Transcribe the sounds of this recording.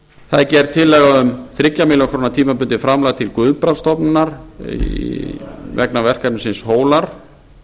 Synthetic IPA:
θaðcɛɾt̪ʰɪlːɛːɣaʏmθɾɪcːamɪlakʰɾoːnat̪ʰiːmapʏnt̪ɪfɾamlaɣt̪ʰɪlkʏðpɾanst̪ɔpnnaɾ̥ḭ | vɛknavɛr̥kapnsɪnshoːwlaɾ̥

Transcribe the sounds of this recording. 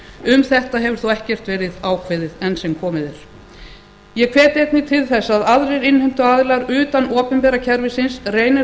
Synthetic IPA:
ʏmθɛht̪aɦɛvʏɾ̥θuɛhcɛr̥t̪vɛːɾɪðaːwkʰveːðɪðɛnsɛmkʰɔːmɪðɛɾ̥ | jɛkʰvɛːt̪ɪɛt̪nɪt̪ʰɪlθɛsːaðaðɾejɾɪnhɛjm̥t̪ʏaðlaɾʏːt̪anʔɔːpʏmpɛːɾacʰɛɾvɪsɪnsreːjnɪ

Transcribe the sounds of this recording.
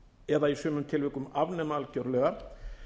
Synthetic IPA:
ɛðaisøːmʏmt̪ʰɪlvɪkʏmavnɛmalcœɾðlœːɣa

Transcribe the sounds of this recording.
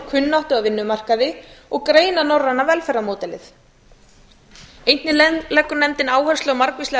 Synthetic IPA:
kʰʏnːaht̪ʏɣavɪnːʏmar̥kaðɪɔɣkɾeːjnanorːanːavɛlfɛrːamoːt̪ɛlɪθ | ejnt̪nɪlɛkːʏnɛmt̪ɪnaːwhœ̥st̪ʏɔmaɾkvɪslɛ

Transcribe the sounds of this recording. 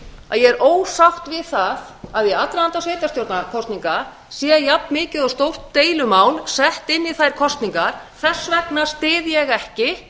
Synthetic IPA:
a̰ðjɛɛɾʔoːwsawht̪vɪðθað | aðjɛat̪ɾaant̪aseːjt̪ast̪jowɾt̪nakʰɔst̪niŋka | sjɛjapnmɪːcɪðɔst̪owr̥t̪ːeːjlʏmaːwlsɛht̪ɪnːiθajɾ̥kʰɔst̪niŋkaɾ̥θɛsːvɛknast̪ɪːðjɛɣɛhcɪ

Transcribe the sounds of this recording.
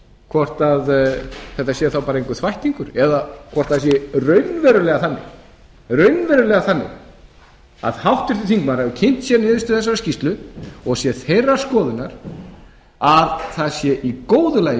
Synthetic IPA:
kʰvɔr̥t̪aðθɛht̪asjɛθawpaːɾaejŋkʏθvajht̪iŋkʏɾɛðakʰvɔrt̪aðsjɛrœɥnvɛɾʏlɛɣaθanːɪ̰ɣ | rœɥnvɛɾʏlɛɣaθanːɪ̰ɣ | a̰ðhawht̪ɪɾ̥θɪθiŋkmaɾɛvʏcʰɪn̥t̪sjɛnɪːðʏst̪ʏθɛs̬ːaɾascist̪lʏɔɣsjɛθejrːḁskɔːðʏnaɾ̥ | aðθaðsjɛʔikoːwðʏlaːj

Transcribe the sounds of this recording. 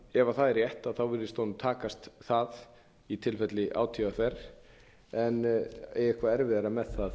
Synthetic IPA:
ɛvaθaðɛɾjɛht̪aðθawvɪɾðɪst̪ownmt̪ʰaːkast̪θað | it̪ʰɪlfɛt̪lɪʔa̰ːwt̪ʰiaθɛɾ | ɛnḛjɛhkvaɛɾvɪðaɾamɛðθað

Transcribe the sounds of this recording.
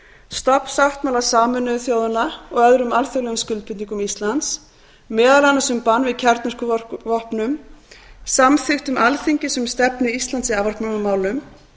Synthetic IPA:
st̪ɔpnsaht̪mawlasaːmʏnːʏθjoːwðanaɔɣœðɾʏmalθœɣlɛɣʏmscʏlt̪pʰɪt̪niŋkʏmist̪lant̪s | mːɛːðalanːasʏmpanːvɪðcʰɛɾt̪nʏr̥kʏvɔhpnʏm | samθɪxt̪ʏmʔalθiɲcɪsɛmst̪ɛpnɪist̪ant̪siaːvaɾhkpnanʏmːaːwlʏm

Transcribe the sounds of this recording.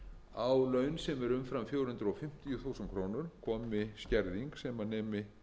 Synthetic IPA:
awlœɥnsɛmvɛɾʏmfɾamfjowɾhʏnt̪ɾɔfɪm̥t̪ijʏθuwsɛnkʰɾoːwnʏɾ̥kʰɔːmɪscɛɾðiŋksɛmanɛːmɪ

